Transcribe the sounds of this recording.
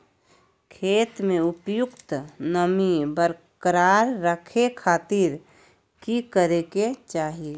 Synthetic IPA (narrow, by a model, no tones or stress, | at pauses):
kʰeːt̪mẽʊpjʊkt̪nəmibəɾkəɾaɾːəkʰekʰaːt̪iɾ | kikəɾeket͡ʃaːɦie